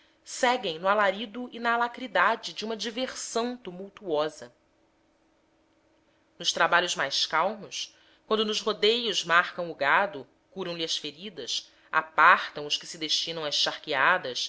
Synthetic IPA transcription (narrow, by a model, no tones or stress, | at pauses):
sɛɡẽj̃nʊalaɾid̪ʊɪnɐːlakɾid̪ad͡ʒɪd͡ʒiũmɐd͡ʒiveɾsɐ̃w̃t̪umuwt̪uɔzɐ | nʊʃt̪ɾabaʎʊzmajskawmʊs | kwɐ̃nd̪ʊnʊzɦod̪ejʊzmaɾkɐ̃w̃ʊɡad̪ʊ | kuɾɐ̃w̃liɐsfeɾid̪ɐs | a̰paɾt̪ɐ̃w̃ʊskɪ̥sɪd̪eʃt͡ʃinɐ̃w̃ɐsʃaχkiad̪ɐs